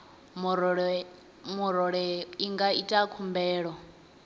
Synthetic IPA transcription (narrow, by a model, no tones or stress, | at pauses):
m | muɾɔɺɛiŋɡaitʼakʰumbɛːɺɔ